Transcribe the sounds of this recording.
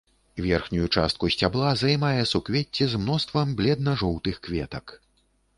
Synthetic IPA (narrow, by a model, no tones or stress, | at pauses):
vʲɛrxnʲujut͡ʂa̰st̪̚kusʲt͡sʲablˠazajmajɛsukvʲet͡sʲːizmnɔst̪vɐmblʲɛd̪̚nɐʐɔwt̪ɨxkvʲɛ̰t̪ɐk